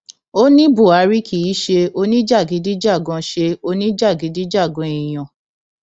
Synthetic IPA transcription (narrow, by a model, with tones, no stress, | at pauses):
o˦nĩ˦bo˦˨a˨˧˦ɾi˦kʰi˨i˦ʃe˧o˧nĩ˦d͡ʒa˦˨ɡi˨˧di˦d͡ʒa˦˨ɡɔ̃˧ʃe˧o˧nĩ˦d͡ʒa˦˨ɡi˨˧di˦d͡ʒa˦˨ɡɔ̃˧i˨j̃ã˨